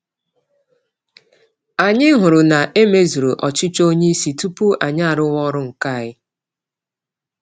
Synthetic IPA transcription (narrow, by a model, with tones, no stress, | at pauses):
a˨ɲɪ˦ɦʊ˨ɾʊ˨na˨ʔe˦me˦zu˨ɾo˨ʔɔ˨t͡ʃɪ˦t͡ʃo˦ɲe˦si˨tu˦pu˦ʔa˨ɲa˦a˨ɾʊ˦wɔ˦ɾʊ˦ŋ̩˨ka˦˨ɣɪ˦